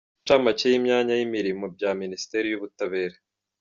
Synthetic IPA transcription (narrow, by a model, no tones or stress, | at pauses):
amacejimɲaːɲajimiɾimo̞bɟaːminisi̥te̞ɾijuβutaβe̞ːɾe